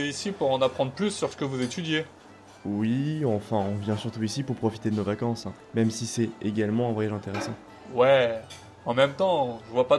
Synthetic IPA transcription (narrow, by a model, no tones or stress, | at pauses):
isipuʁɑ̃napχɑ̃d̪ʁəplysːyʁsə̥kəvuzet̪yd̪je | wwiɑ̃fɛ̃ɔ̃vjɛ̃syʁt̪uisipuʁpχɔfi̥t̪ed̪ənovakɑ̃sɛ̃ | mɛmsisɛeɡʲalmɑ̃ɛ̃vwajaʒɛ̃t̪eʁesɑ̃ | wɛ | ɑ̃mɛmt̪ɑ̃ʒəvwapa